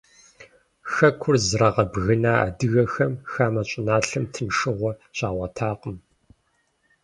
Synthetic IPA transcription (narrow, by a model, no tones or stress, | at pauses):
xɐkʷʰʊrzrɐʁɐbɣɨnaːa̰ːdɨɣɐxɐmxaːmɐɕʼɪnaːɬɨmtʰɨnʂɨʁʷɔɕʼaːʁʷɐtʰaːqəm